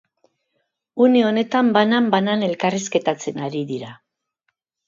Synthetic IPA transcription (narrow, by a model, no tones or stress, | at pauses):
une̞o̞ne̞t̪ambanambanane̞lkariske̞t̪at͡se̞naɾiðiɾa